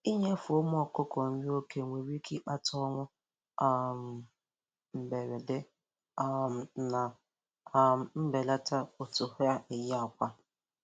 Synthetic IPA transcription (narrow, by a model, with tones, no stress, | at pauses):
i˦ɲa˦fʊ˨o˦m˦ɔ˨kʊ˦kɔ˨ɲ̩˦o˦ke˦ŋʷe˨ɾi˦kʰi˦k͡pa˦tɔ˦ŋʷʊ˦ | a˦˨m̩˨ | m̩˨be˨ɾe˨de˦ | a˦m˨na˨˦˨ | m̩˦be˨la˦ta˦o˨tʊ˨ha˦e˨jɪ˦a˨kʷa˦